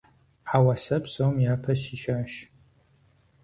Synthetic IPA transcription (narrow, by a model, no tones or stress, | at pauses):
awɐsɐpʰsowmjaːpʰɐsiʃaʃ